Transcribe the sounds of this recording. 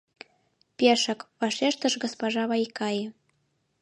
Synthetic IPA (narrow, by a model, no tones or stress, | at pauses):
pʲeʃə̆kβɑʃeʃt̪ə̆ʃɡospoʒɑβɑjkɑjɤ̆